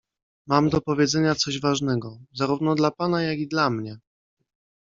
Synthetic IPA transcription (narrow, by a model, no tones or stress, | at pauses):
mamd̪ɔpɔvʲjɛd̪zɛɲat̪sɔʑvaʐnɛɡɔzaɾuvnɔd̪lapanajaɡid̪lamɲɛ